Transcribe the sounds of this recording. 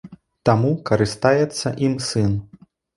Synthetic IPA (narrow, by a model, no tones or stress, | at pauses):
t̪amukɐɾɨst̪ajɛt̪sːɐʔimsɨn